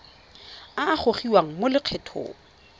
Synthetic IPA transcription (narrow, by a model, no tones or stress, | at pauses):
aːχʰoχiwaŋ̩molɪq͡χʰɛtʰo̰ːŋ̩